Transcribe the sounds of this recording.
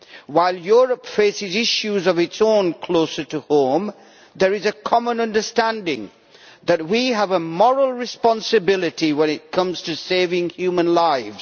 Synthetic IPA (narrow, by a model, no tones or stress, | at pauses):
waɪlˠjɔɹəpfeɪsɨzɪʃuzʌvɨtsõʊ̃nkʰl̥oʊsə˞tɨhõʊ̃m | ðə˞ɨzɨkʰɑmə̃nʌ̃ndəstæ̃ndɪ̰̃ŋ | ðɨt̚wiəvəmɔɹəl̩ˠɹɨspɑ̃nsɨbɪlˠɨtiwə̃nɪt̚kʰʌ̃mz̥tʰɨseɪvɪ̃ŋhjumə̃nlaɪfz̥